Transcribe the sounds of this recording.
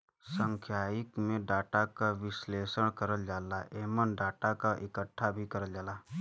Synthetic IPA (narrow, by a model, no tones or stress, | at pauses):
sə̃ŋkʰjaːɪkmẽɖaːʈakaʋɪsleːsəɽ̃kəɾəld͡ʒaːlaʔeːmənɖaːʈakaʔɪkəʈʰːabʱikəɾəld͡ʒaːla